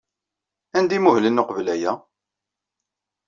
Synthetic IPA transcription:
ænd̪imuhlənːoqəvlæjæ

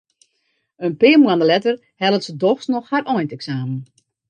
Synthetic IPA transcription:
ənpɪəmuandəlɛtər | hɛlˠətsədɔxsnɔxharʔɔjntɛksaːmən

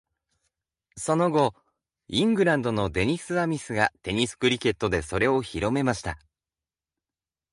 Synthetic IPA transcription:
so̞no̞ɡo̞ | ĩŋɡɯ̟ɾãnd̪o̞nod̪e̞ɲ̟isɨamʲisɨɡat̪e̞ɲ̟isɨ̥kɯ̟ɾʲikʲe̞t̪ːo̞d̪e̞so̞ɾe̞o̞çiɾo̞me̞maɕi̥t̪a

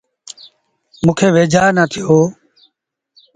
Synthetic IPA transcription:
mũːkʰeːʋeːd͡ʒʱaːɾnaːt̪ʰɪjoː

